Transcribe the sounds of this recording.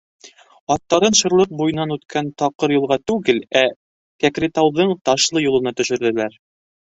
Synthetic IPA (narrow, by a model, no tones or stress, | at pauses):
ɒt̪ːɑɾɤnʃɤ̆ɾlˠɤq̚bujɤ̆nɑnʉt̪kʰænt̪ɑqɤɾjɤ̆lˠʁɑt̪ʉɡɘlæ | kækɾet̪ɑwðɤɴt̪ɑʃlˠɤjulˠɤ̆nɑt̪ɵ̆ʃɵ̆ɾðɘ̆læɾ